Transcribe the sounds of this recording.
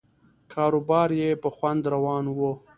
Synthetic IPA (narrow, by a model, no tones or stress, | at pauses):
kʰɑːɾobɑːɾjepəxwand̪ɾawɑːnwə